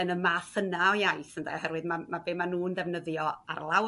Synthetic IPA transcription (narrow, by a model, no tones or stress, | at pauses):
ənəmaːθənaɔjajθəndɛ̰hɛɾwɨdmamabeːmanuːndɛvnəðjɔa̰rlˠaw